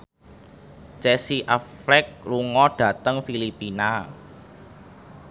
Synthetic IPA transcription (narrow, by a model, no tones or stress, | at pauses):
t͡ʃɛsiʔaflɛk̚luŋɔɖ̥ä̤t̪əŋfilipina